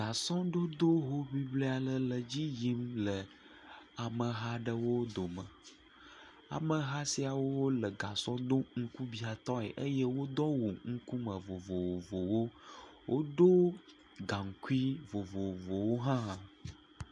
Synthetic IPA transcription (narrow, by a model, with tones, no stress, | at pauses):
ɡa˨sɔ̃˦ɖo˦d̪o˦ɦo˦βi˦ble˦a˨lə˦lə˨d͡ʑi˦ji˦mlə˨ | a˨mə˨ɦa˦ɖə˦wo˦d̪o˨mə̃˨ | a̰˨mə˨ɦa˦si˦a˨wo˦wo˦lə˨ɡa˨sɔ̃˦d̪o˦ŋ̩˦ku˦bi˨a˨t̪ɔ̃˦ɛ̰˨ʔə˦jɛ˦wo˦d̪ɔ˦wu˨ŋ̩˦ku˦mə˨vo˨vo˨wo˨vo˨wo˦wʔo˦ɖo˦ | ɡã˨ŋ̩˨ku˦i˦vo˨vo˨wo˨vo˨wo˦ɦã˦˨